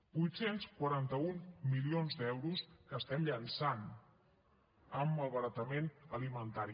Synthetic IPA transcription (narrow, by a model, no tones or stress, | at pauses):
bujt̪senskwaɾant̪əunmilionzd̪ɛwɾuskəst̪ɛmʎənsan | əmːəlˠβəɾət̪əmenəlimənt̪aɾi